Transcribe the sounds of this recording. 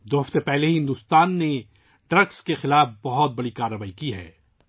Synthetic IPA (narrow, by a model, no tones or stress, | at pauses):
d̪oːɦɐft̪epɛɦleɦɪ̃nd̪uːst̪aːnːe | ɖɾɐɡskexɪlaːfbɐɦɔt̪̚bɐɽikaːɾːəʋaːikiɦɛ̰ː